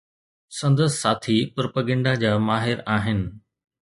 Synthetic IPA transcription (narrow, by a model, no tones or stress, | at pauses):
sɐ̃nd̪əssaːt̪ʰipɾopəɡə̃ɳɖad͡ʑaːmaːɦɪɾaːɦɪnɪ̆